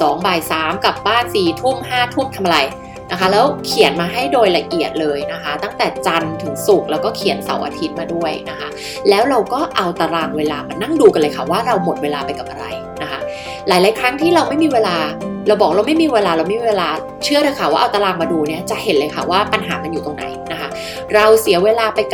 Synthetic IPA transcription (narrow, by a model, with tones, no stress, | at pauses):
sɔː˨˩˦ŋbaː˧˩jsaː˩˦mka˨˩p̚baː˥˩nsiː˨˩t̪ʰu˥˩mhaː˥˩t̪ʰu˥˩mt̪ʰa˧ma˧ɾa˧j | na˦˥kʰa˦˥lɛː˦˥wkʰi˩˦ənmaː˧ɦa˥˩jdoː˧jla˧ʔi˨˩ət̪̚lɤː˧jna˦˥kʰa˦˥t̪a˥˩ŋt̪ɛː˨˩t͡ɕa˧nt̪ʰɯ˩˦ŋsu˨˩k̚lɛː˦˥wkɔː˥˩kʰi˨˩˦ənsa̰˨˩˦wʔa̰ː˧t̪ʰi˦˥t̪̚maː˧du˥˩əjna˦˥kʰa˦˥ | lɛː˦˥wɾa˧wkɔː˥˩ʔa˧wt̪a˧ɾaː˧˩ŋweː˧laː˧ma˧nːa˥˩ŋduː˧ka˧lɤː˧jkʰa˥˩waː˥˩ɾa˧wmo˨˩t̪̚weː˧laː˧pa˧jka˨˩p̚ʔa˧ɾa̰˧j | na˦˥kʰa˦˥ | laː˨˦jlaː˨˦jkʰɾa˦˥ŋt̪ʰiː˥˩ɾa˧wma˥˩jmiː˧weː˧laː˧ɾa˧wbɔː˨˩k̚ɾa˧wma˥˩jmiː˧weː˧laː˧ɾa˧wma˥˩iː˧weː˧laː˧ | t͡ɕʰɯ˥˩əɾɤː˧jkʰa˨˩waː˥˩ʔa˧t̪a˧laː˧˩ŋmaː˧duː˧ni˦˥˩ɐt͡ɕa˨˩ʔhe˨˦nlɤː˧jkʰa˥˩waː˥˩pa˧nɦa̰ː˩˦ma˧njuː˨˩t̪o˧ŋna̰˨˩˦jna˦˥kʰa˦˥ | ɾa˧wsi˨˩˦ɐweː˧laː˧pa˧jk